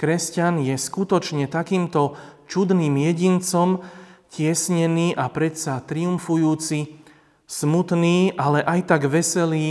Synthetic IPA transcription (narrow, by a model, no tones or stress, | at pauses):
kɾɛscanjɛskut̪ɔt͡ʃɲɛt̪akiːmt̪ɔ | t͡ʃud̪niːmjɛɟint͡sɔmcɪɛsɲɛniːʔapɾɛt̪sat̪ɾiumfujuːt͡si | smut̪niːʔalɛʔajt̪aɡʋɛsɛliː